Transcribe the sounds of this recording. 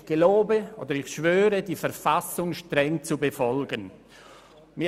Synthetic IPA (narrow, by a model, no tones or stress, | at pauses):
ɡ̥eloːbəo̰ːd̪əɾɪçʃvøːɾədifɛɾfasʊŋʃtɾʁɛŋt͡subefɔlɡən | mɪ